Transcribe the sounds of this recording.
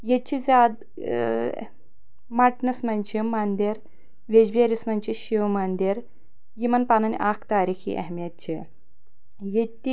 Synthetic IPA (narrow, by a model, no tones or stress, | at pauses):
jet͡ʃʰizʲaːd̪ | mɐʈnɐsmɐnt͡ʃʰimɐnd̪iɾ | ʋed͡ʑbiɐɾʲismɐnt͡ʃiɕiʋmɐnd̪iɾ | jimɐnpaːnɐnʲʔakʰt̪aːɾiːxḭʔɐ̰ɦmjɐt̪̚t͡ʃʰi | jet̪ːi